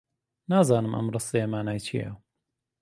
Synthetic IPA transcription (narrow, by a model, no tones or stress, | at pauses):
naːzaːnɨmʔɐ̰mrɨsˤijɐmaːnaːjt͡ʃʰḭjɐ̰